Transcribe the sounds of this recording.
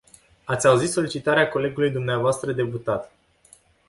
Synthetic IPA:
at̪sʲauzit̪so̞lit͡ʃit̪aɾeako̞le̞ɡulujd̪umneavoast̪ɾəd̪e̞put̪at̪

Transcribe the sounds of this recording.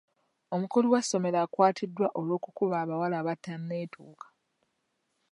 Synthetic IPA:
omukoliwasːo̞me̞ɾaːkwaːtʰidːwaʔo̞lwo̞ːkukuβaːβawalaːβatːanːe̞ːtʰuːkḁ

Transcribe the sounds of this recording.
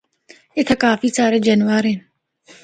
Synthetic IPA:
ɪt̪ʰakaːfiːsaːɾeːd͡ʒənʋaːɾɦen

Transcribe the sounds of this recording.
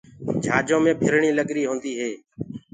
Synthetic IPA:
d͡ʒʱaːd͡ʒõːmẽːbʱɪɾɳiːləɡɾiːɦõːnd̪iːɦeː

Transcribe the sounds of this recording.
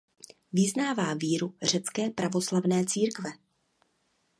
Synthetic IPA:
vɪznaːvaːviːɾur̝ɛt͡skɛːpɾavo̞slavnɛːt͡siːɾkvɛ

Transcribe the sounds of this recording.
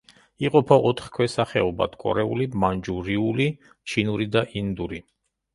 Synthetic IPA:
iqʼɔpʰɔʔɔt̪ʰχkʰwɛsaχɛɔba̰t̪kʼɔ̰ɾɛṵlimand͡ʒuɾiuli | t͡ʃʰinuɾid̪aʔind̪uɾi

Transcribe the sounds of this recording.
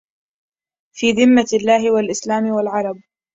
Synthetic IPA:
fiːðɪmːalːaːɦɪwalʔɪslaːmɪwalʕɑɾˤɑb̚

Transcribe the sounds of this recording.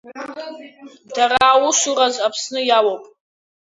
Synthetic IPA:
daraːwuʃurazapʰsnɨjawopʼ

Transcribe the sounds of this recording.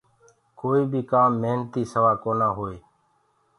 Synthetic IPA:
koːiːbʱiːkaːmːeːnt̪iːsəʋaːkoːnaːɦoːeː

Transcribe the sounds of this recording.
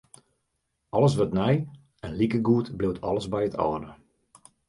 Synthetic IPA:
ɔlˠəs̬ʋətnɛj | ɛnlikəɡuətblɪwtʰɔləzbɛjətʰɔ̰ːdə

